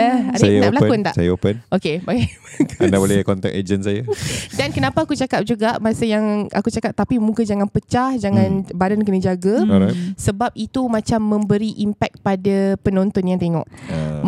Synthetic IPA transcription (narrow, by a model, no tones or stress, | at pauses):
əadajnabəlakʊnt̪a̰ʔsajaopənʔokebaɡaa̰ndabolɛkɔnt̪ɛ̰kḛd͡ʒənsajadankənãpaːkut͡ʃakap̚d͡ʒuɡaʔmasəjaŋa̰kut͡ʃakap̚t̪apimũkad͡ʒaŋãnpət͡ʃahd͡ʒaŋãnbadənkənəd͡ʒaɡaɾasəbap̚it̪umãt͡ʃamːə̃mbəɾiʔimpɛk̪̚padapənɔ̃nt̪ɔnjaŋt̪eŋɔ̰ʔ